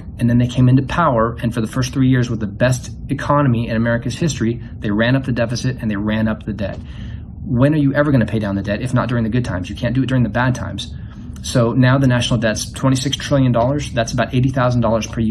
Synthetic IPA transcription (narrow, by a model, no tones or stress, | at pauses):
ɨ̃nðɨ̃nðeɪkʰẽɪ̃mɨ̃ntʉpʰaʊə˞ɨ̃nfə˞ðəfɜ˞st̪θɹijɪɹzwəðɨbɛstɨkʰɑnɨmiɨ̃nɨmɛɹɨkɨz̥hɪstɹ̥i | ðeɪɹæ̃nʌp̚ðɨdɛfɨsɨɾɨ̃nðeɪɹæ̃nʌp̚ðɨdɛ̰t̚ | wɨ̃nə˞jɨʔɛvə˞ɡʌñɨpʰeɪdãʊ̃nðɨdɛɾɨfnə̰t̚d̥ʊɹɪ̃ŋðɨɡʊd̚tʰãɪ̃mzjɨkʰæ̃nd̥ɨt̚d̥ʊɹɪ̃ŋðɨbæd̚tʰã̰ɪ̃mz̥ | soʊnaʊðɨnæʃnl̩ˠdɛtstʰw̥ɛ̃ɾ̃isɪkstʰɹ̥ɪlˠjɨ̃ndɔlˠə˞zðætsəbaʊɾʔeɪɾiθaʊzn̩dɔlˠə˞z̥pʰə˞j